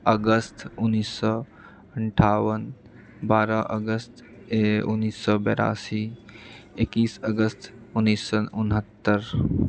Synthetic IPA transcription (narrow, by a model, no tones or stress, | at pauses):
əɡəst̪ʊnːiːsːɔ | əɳʈʰaːwən | baːɾaʔəɡəst̪ | ʊ̰nːiːsːɔbɛːɾa̰ːsi | ekiːsəɡəst̪ʰʊnːiːsːɔnʊnɦət̪ːəɾ